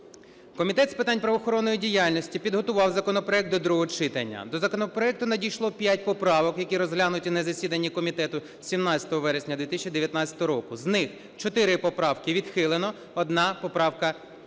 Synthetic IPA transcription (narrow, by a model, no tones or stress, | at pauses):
kɔmʲit̪ɛt̪spɪt̪ɑnʲpɾɐʋɔxɔɾɔnːɔjidʲijalʲnɔsʲtʲipʲid̪ɦɔt̪ʊʋɑwzɐkɔnɔpɾɔɛk̚t̪ːɔd̪ɾuɦɔt͡ʃɪt̪ɐnʲːɐ̰d̪ɔzɐkɔnɔpɾɔɛk̚t̪ʊnɐdʲijʃlˠɔpʲjatʲpɔpɾɑʋɔkjɐkʲiɾɔzɦlʲanʊtʲinɐzɐsʲid̪ɐnʲːikɔmʲit̪ɛt̪ʊ | sʲimnɑt͡sʲɐ̥t̪ɔɦɔʋɛɾesʲnʲɐd̪ʲʋʲit̪ɪsʲt͡ʃʲid̪eʋjɐt̪nɑt͡sʲɐt̪ɔɦɔɾɔkʊznɪx | t͡ʃɔt̪ɪɾɪpɔpɾɑwkɪʋʲid̪xɪlˠɪnɔ | ɔd̪nɑpɔpɾɑwkɐ